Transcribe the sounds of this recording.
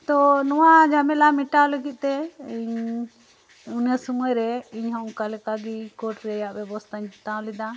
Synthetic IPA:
t̪ɔnɔwad͡ʒʱamɛlamiʈaləɡit̪̚ˀt̪ɛiɲ | unjasumɔjɾɛiɲɦɔ̃ʔkalɛkaɡikɔʈɾɛjaʔbɛbɔst̪ʰaɲɦit̪ãlid̪a

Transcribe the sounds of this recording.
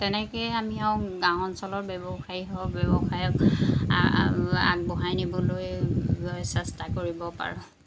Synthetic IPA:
tɛnɛkejamiaʊɡãwɔnsɔlɔɹbɛbɔxaiɦɔbjɛbɔxajɔk | a̰ɡ̚bɔɦajnibɔloj | sɛstakoɹibɔpa̰ɹʊ̃

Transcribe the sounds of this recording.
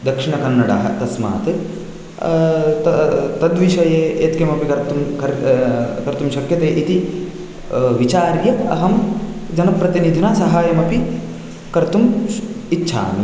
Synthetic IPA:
d̪ɐkʂiɳɐkɐnːɐɽa̰ːɦɐ̰̆t̪ɐsma̰ːt̪ɨ | t̪ɐt̪ɐd̪ʋiʃɐjeːeːt̪kemɐpikɐɾt̪umkɐɾkɐɾt̪umʃɐkjɐt̪eːʔit̪i | ʋit͡ʃaːɾjɐɐ̰ɦɐmd͡ʒɐnɐpɾɐt̪inid̪ʱinasɐɦaːjɐmɐpi | kɐɾt̪umitːʃʰa̰ːni

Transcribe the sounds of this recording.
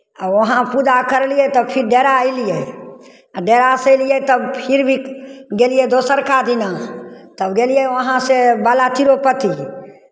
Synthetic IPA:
əʋɐɦãpud̪akəɾlijet̪ɔpʰɪɾɖeːɾailie | ɖeːɾaseliet̪əbpʰɪɾbʱiɡeːlijed̪oːsəɾkad̪inat̪əbɡeːlijeʋəɦãsebaːlat̪ʰiɾopət̪i

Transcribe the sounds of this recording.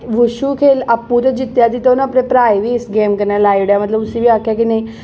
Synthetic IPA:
ʋʊʃuːkʰeːləpːut̪ed͡ʒɪt̪jaːd̪iːt̪oñəpnepɾaːiʋiːɪsɡeːmkəɾnɛːlaːiʋɖaːmət̪ləbʊsiːʋiːaːkʰjaːkinẽĩː

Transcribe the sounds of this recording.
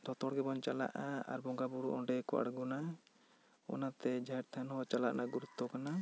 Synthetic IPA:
d̪̥ʱɔt̪ɔɽɡɛbɔnt͡ʃala̰ʔaa̰ɾbɔŋɡabuɾuʔɔɖɛkɔʔa̰ɽɡuna | ɔ̰nat̪ɛd͡ʒaɛɾt̪ʰanɔwat͡ʃalaʔnaɡuɾut̪ːɔkana

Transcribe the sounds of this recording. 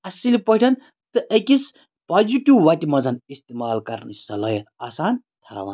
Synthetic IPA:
ɐsilipɐɦʈʰɐn | t̪ɨʔɐkis | paziʈiwːɐtʲimɐd͡zɐnist̪emaːlkɐɾnɨ̰sɐlɐjɐt̪aːsaːn | t̪ʰa̰ːʋa̰n

